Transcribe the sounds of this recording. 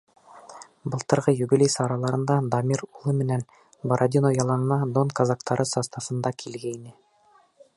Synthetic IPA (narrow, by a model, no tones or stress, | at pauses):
bɤ̆lˠt̪ɤ̆ɾʁɤjubilʲejsɑɾɑlˠɑɾɤ̆nd̪ɑd̪ɑmʲiɾulˠɤmɘ̆næn | bɐɾad̪ʲinojɑlˠɑnɤ̆nɑd̪onkazɑkt̪ʰɑɾʔɤsɑst̪ɑsɤ̆nd̪ɑkʰilɡæinɘ